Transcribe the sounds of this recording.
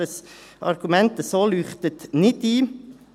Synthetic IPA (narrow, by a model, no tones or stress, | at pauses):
əsɑ̰ɾɡ̥umɛnt̪əsoːlyːχt̪ət̪nɪdiː